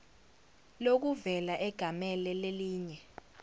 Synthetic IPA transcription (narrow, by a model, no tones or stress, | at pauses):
lok̬uvɛlaʔɛɡ̥ʱamɛlɛleliːɲɛ